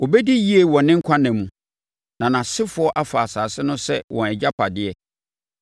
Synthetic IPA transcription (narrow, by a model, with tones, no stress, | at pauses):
wo˨bɛ˦di˦ji˦e˨wɔ̃˨nɪ̃˦ŋ̩˦kʷʰã˦nɛ̃˨mũ˨ | nã˨nã˨sɪ˦fʊ˨˦ɔ˦ʔa˨faː˨saː˨sɪ˦nʊ̃˦sɛ˦wʔɔ̃˨ɛ˨d͡ʑa˦pʰa˨dɪ˦ɛ˨